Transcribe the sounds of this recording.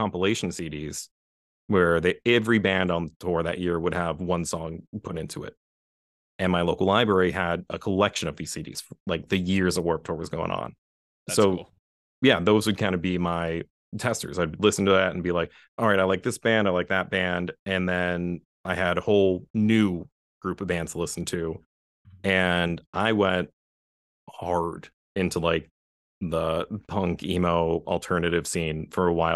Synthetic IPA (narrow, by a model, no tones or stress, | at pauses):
kʰɑ̃mpəleɪʃn̩siɾiz̥ | wə˞ðɨɛvɹibæ̃ndn̩ðətʰɔɹðɨ̰ʔjɪɹwəɾəvwʌ̃nsɔ̃ŋpʰʊɾɪ̃ntʰʉɪ̰t̚ | ɨ̃nmaɪloʊkl̩ˠlaɪbɹɛɹiɨɾəkʰəlɛkʃɨ̃nʌvðiz̥siɾḭz̥fə˞laɪk̚ðɨjɪɹzəwɜ˞k̚tʰɔɹwʌzɡoʊɪ̰̃ŋə̰̃n | soʊ | jæðoʊzwɨd̚kʰãɪ̃ndɨbimaɪ | tʰɛstə̰˞zaɪbˡlɪsn̩tʰɨðæɾn̩bilaɪk̚ | ʔɑlˠɹaɪɾaɪlaɪk̚ðɪsb̥æ̃ndaɪlaɪk̚ðɨt̚b̥æ̃ndɨ̃nðɨ̃n | aɪɨɾəhoʊlˠnʉ | ɡ̥ɹʉpʌvbæ̃ndz̥tʰəlɪsn̩tʰʉ | ɨ̃nʔaɪwɛ̃nt̚ | hɑɹɾ | ɪ̃ntʰulaɪk̚ | ðəpʰʌ̃ŋkimeʊl̩ˠtʰɜ˞nɨɾɨv̥sĩnfə˞əwaɪ